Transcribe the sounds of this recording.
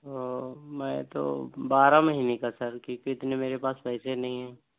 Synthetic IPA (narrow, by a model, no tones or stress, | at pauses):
t̪oːmɛ̃ːt̪o̰baːɾamɐɦiːnekasɐɾkjõkiɪt̪nemeːɾepaːspɛɦɪsenɐɦĩɦɛː